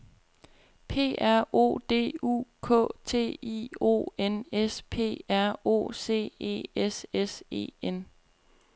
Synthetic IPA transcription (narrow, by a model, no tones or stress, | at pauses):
pʰe̝̰ːæɐ̰ʔo̝̰ːd̥e̝̰ːṵːkʰɔ̰̽ːt͡sʰe̝̰ːḭo̝̰ːenespʰe̝̰ːæɐ̰o̝̰ːse̝̰ːe̝̰ːesese̝̰ːen